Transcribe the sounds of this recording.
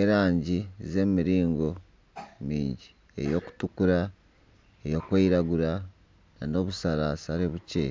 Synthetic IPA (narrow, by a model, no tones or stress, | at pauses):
eɾaːɲɟize̞ːmiɾiːŋɡo̞ | mḭːɲɟi | e̞̰jo̞ku̥tukuɾa | ejo̞ːkweiɾaɡuɾa | nano̞ːβusaɾasaɾeβuce